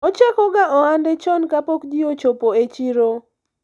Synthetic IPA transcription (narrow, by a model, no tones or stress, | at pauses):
ɔt͡ʃakɔɡaʔɔandɛt͡ʃɔnkapɔkd͡ʒiot͡ʃopoet͡ʃiɾo